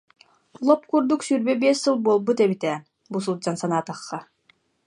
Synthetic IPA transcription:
lˠɔpkuɾd̪uksyɾbɛbiɛsɯlˠbuɔlˠbut̪ɛbit̪ɛː | bus̬ulˠd͡ʑansanaːt̪aχːa

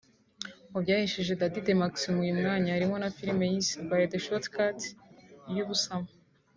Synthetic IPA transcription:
ubɟaːhiʃeʒe̞dadidemaksmijumŋaːɲaːɾimo̞nafiɾime̞jisibajedeʃotkat | juβusama

